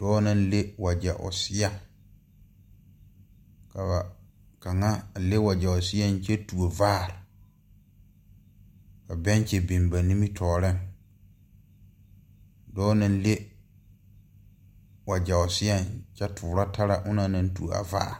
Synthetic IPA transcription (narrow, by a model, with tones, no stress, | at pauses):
d̥ɔː˦nã˦n˦le˦wa˨d͡ʒɛ˨ʔʊ̰˨sɪ˦ja˦ | ka˨a˨ | ka˨ŋa˦˨le˦wa˨d͡ʒa˨ʊ˨sɪ˦a˦n˦t͡ʃɛ˦tu˨o˨vaː˦˨ɾ | ka˨bɛ˦n˦t͡ʃɛ˨be˨m˨ba˨ni˦mi˦tʰɔː˨ɾɪ˦˨ŋ | dɔː˦nã˦n˦le˦ | wa˨d͡ʒɛ˨ʊ˨sɪ˦ja˦nt͡ʃɛ˦tʰʊː˨ɾa˦ta˦ɾa˨ʔʊ˦na˦nã˦n˦tu˨o̰˨a̰˨va̰ː˦˨